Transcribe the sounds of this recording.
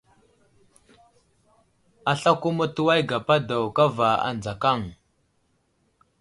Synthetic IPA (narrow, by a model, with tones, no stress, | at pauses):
a˨ɬa˦ku˦mu˦tu˦wa˦jɡa˨pa˦da˨wka˦va˨a̰˨nd͡za˨ka˦˨ŋ